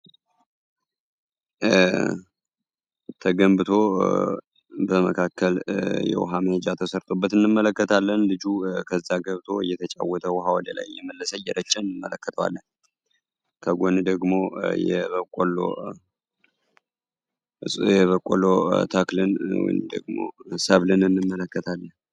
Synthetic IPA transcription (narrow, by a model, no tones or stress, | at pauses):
t̪ʰəɡəmbɨt̪ʰo̞ | bəməkʰakʰːəljɛ̰w̰ɦaməhəd͡ʒat̪ʰəsəɾt̪ʼo̞bːət̪ɨnːɨmːələkːət̪ʰalːənlɨd͡ʒukʰəzːaɡəβt̪ʰo̞ɨjɛt̪ʰət͡ʃʼa̰wːɔt̪ʰəwɦawɔd̪ela̰jːɛməlːəsəjɛɾət͡ʃːɛnɨmːələkːət̪ʰəwa̰lːən | kʰəɡʷond̪əɡmo̞jɛ̰βəkʷʼːolo̰ | ɨsʼjɛβəkʼolot̪ʰaklɨnwɔ̰jmd̪ə̰ɡmo̞̰səβlɨnɨnːɨmːələkːət̪ʰalːən